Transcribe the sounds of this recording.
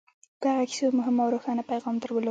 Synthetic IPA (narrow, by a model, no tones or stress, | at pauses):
kaɣaki̥somʊɦɪmawɾoxɑnapajɣɑmd̪əɾwəlo